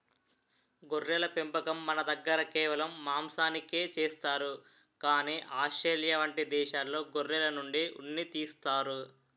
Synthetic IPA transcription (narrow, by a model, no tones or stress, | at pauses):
ɡoɾːɛlɐpimpɐkɐmːɐnɐd̪ɐɡːɐɾɐkɛːʋɐlɐmːaːmsaːnikeːt͡ʃeːst̪aːɾu | kaːniːʔaːsʈɾeːljaʋɐɳʈid̪ɛːʃaːlːo̞ːɡoɾːɛlɐnuɳɖiʔunːit̪iːst̪aːɾu